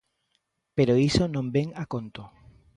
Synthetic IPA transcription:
peɾoisonõmbeŋakont̪o

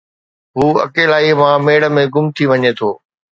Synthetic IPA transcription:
ɦuːɐ̰keːlaːimãmeːɽə̆mẽɡʊmt̪ʰiʋɐɲet̪ʰoː

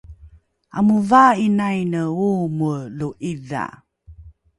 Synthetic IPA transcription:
amuvainajnəumuluʔiða̰

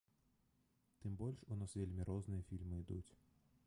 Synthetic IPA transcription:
t̪ɨmbɔlʲʂunasvʲelʲmʲiɾɔznɨjɐfʲilʲmɨid̪ut͡sʲ

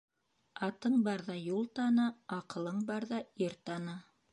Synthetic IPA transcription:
ɑt̪ɤɴbɑɾðɑjulˠt̪ɑnɑɑqɤ̆lˠɤɴbɑɾðɑiɾt̪ɑnɤ

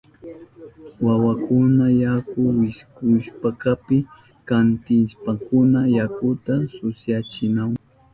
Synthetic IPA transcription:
wawakʰʊnajakʊwɪskʊʃpakapɪ | kant̪ɪʃpakʊnajakʊt̪asʊsjat͡ʃɪnaw

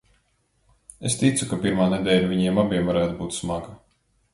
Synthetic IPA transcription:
est̪it̪sukapiɾmaːned̪ɛːlʲaviɲiɛmabiɛmvaɾæːt̪ubuːt̪smaɡa

